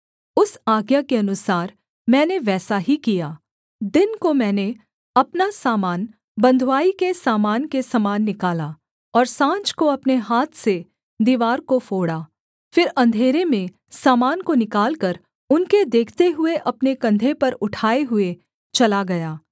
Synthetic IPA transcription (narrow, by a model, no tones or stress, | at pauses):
ʊsaːɡjakeɐnʊsaːɾ | mɛ̃ːneʋɛːsaɦikijaː | d̪ɪnkomɛ̃ːne | ɐpnasaːmaːn | bɐ̃nd̪ʱwaːikesaːmaːnkesɐmaːnːɪkaːla | ɔːɾsãːt͡ʃkoɐpneɦaːt̪ʰse | d̪iːʋaːɾkofoːɽaː | fɪɾɐ̃nd̪ʱeːɾemẽ | saːmaːnkonɪkaːlkɐɾ | ʊnked̪eːkʰt̪eɦʊeʔɐpnekɐ̃nd̪ʱepɐɾʊʈʰaːeɦʊe | t͡ʃɐlaɡɐjaː